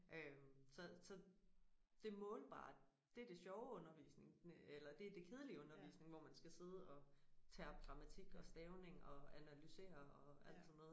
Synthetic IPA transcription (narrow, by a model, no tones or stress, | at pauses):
ʔømsɒ̽sɒ̽ | d̥e̝mɔ̽ːlb̥ɑ̰̈ːd̥ | d̥e̝æɐd̥e̝ɕɒʊɔ̽nɐʋḭːsne̝ŋelɐd̥e̝æd̥e̝kʰe̝ð̞ˠəliɔ̽nɐʋḭːsne̝ŋʋɒmænsɡ̥æse̝ð̞ˠəɒ̽t͡sʰɛːɒ̽b̥̚ɡ̥ʁɑ̈mæt͡sʰiɡ̥ɒ̽sd̥ɛːʊne̝ŋɒ̽ænælyse̝̰ːɐɒ̽æl̰d̥sɒnːoðˠ